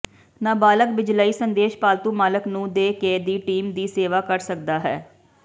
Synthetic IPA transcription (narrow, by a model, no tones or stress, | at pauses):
nãːbaːləkbɪd͡ʒlaːiːsənd̪eːʃpaːlt̪uːmaːləknũːd̪eːkeːd̪iːʈiːmd̪iːseːʋaːkəɾsək̚d̪aːɦɛː